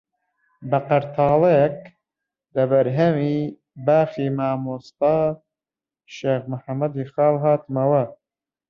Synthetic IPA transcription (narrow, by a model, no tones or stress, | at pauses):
bɐqɐɾt̪ʰɑːleek | d̪ɐbɐɾɦɐmi | baːxiːmaːmust̪ɑː | ʃeːxmʊħamːɐd̪ixɑːlɦɑːt̪mɐwɐ